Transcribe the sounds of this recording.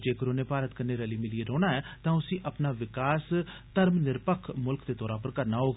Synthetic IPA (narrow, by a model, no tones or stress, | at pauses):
d͡ʒeːkəɾoːneːpaːɾət̪kənːeːɾəliːmɪlieːɾoːnaːɛːt̪ãːʊsĩːʔəpnaːʋɪkaːst̪əɾmnɪɾpəkʰmʊlkd̪eːt̪ɔːɾãːpəɾkəɾnaːɦoːɡ